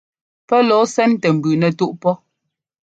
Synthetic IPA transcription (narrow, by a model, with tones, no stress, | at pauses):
pɛ˦lɔ˨˦sɛ˦n˦tɛ˨m̩˨bʉ˨nɛ˨tu˦ʔpɔ˦